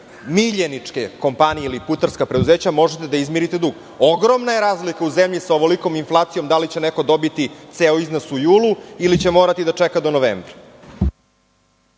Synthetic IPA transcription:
miʎenit͡ʂkeko̞mpanijeiliput̪aɾskapɾed̪uzeːt͡ɕamo̞ʒet̪ed̪aizmiɾit̪e̞d̪uɡ | o̞ɡɾomnajeɾaːzlikauzemʎisaoʋoliko̞minflˠaːt̪sijomd̪alit͡ɕeneko̞d̪o̞bit̪it̪seoiznosujuːlˠuilit͡ɕe̞mo̞ːɾat̪id̪at͡ʂekad̪o̞noʋḛːmbɾa

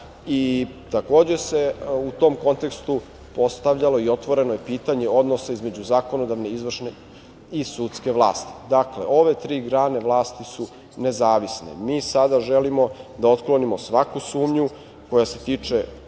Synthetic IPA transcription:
it̪ako̞ːd͡ʑe̞se̞ut̪o̞mko̞nt̪e̞kst̪u | po̞st̪aʋʎalo̞io̞t̪ʋo̞ɾe̞nojepiːt̪aɲeo̞d̪no̞saizme̞d͡ʑuzaːko̞nod̪aʋne̞izʋr̩ʃne | isut̪ske̞ʋlˠa̰ːst̪i̥d̪aklḛʔo̞ʋe̞t̪ɾiːɡɾaːne̞ʋlˠaːst̪isu | ne̞zaːʋisnḛmiːsad̪aʒelimo̞d̪aot̪klo̞nimo̞sʋakusuːmɲu | ko̞jase̞t̪iːt͡ʂe

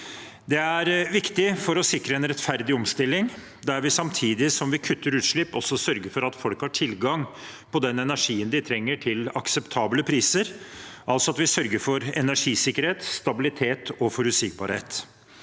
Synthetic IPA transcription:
d̪ɛæɾʋɪkt̪ɪfɔɾɔsɪkɾəɛnɾɛt̪fæɾd̪ɪɔmst̪ɪlːɪŋ | d̪æɾʋɪsɑmt̪ʰiːd̪ɪsɔmʋɪkʰʉt̪ʰːəɾʉːt̪ʂɭɪpːɔsːɔsœɾɡəɾfɔɾɑt̪fɔlkhɑʈʰɪlɡɑŋ | pʰɔd̪ɛnɛnæʂiːənd̪ɪt̪ʰɾɛŋːəʈʰɪlɑksɛpt̪ʰɑːbləpʰɾiːsəɾʔɑlsɔɑt̪ʋɪsœɾɡəɾfɔɾɛnæʂiːsɪkːəɾheːt̪st̪ɑbɪlɪt̪ʰeːt̪ʰɔfɔɾʉsɪk̚bɑ̰ɾhḛːt̪

